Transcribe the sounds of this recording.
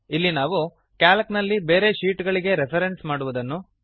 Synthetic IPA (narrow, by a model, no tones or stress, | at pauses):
ilːinaːʋu | kaːlɐknɐlːibe̞ːɾe̞ʃiːʈɡɐɭiɡe̞ɾepʰɐɾensmaːɽuʋud̪ɐnːu